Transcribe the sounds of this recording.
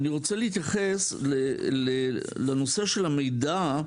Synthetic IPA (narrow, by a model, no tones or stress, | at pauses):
aniʁo̞t͡se̞liit̪jaχe̞slele | lano̞se̞ʃe̞lame̞jda